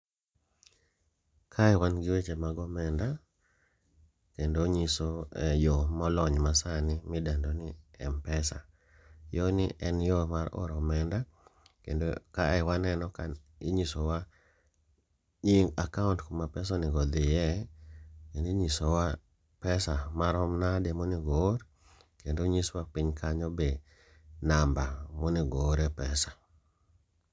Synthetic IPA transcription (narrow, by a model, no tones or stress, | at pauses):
kʰaɛwanɡɪwet͡ʃemaɡɔmɛnda | kendoɲisoɛjomɔlɔɲmasanɪmɪdandonɪɛmpɛsa̰ | jɔnɪʔɛnjɔmaɾɔ̰ɾɔmɛnda | kendokaɛwanɛnɔka | iɲisowa | ɲiŋakaʊntkomapɛsɔnɪɡɔd̪ɪjɛ | kendoiɲisowa | pɛsamaɾɔmnademɔniɡoɾ | kendoɲiswapiɲkʰaɲɔbe | nambamɔniɡoɾɛpɛsḁ